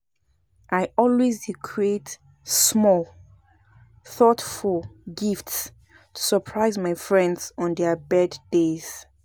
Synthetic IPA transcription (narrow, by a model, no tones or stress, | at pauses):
ʔajɔlwezdikʰɹiet | smɔl | θɔtfulɡifts | tʰu̥səpʰɹaɪzmaɪfɹɛ̃ndz̥ɔ̃ndɛbɛddez̥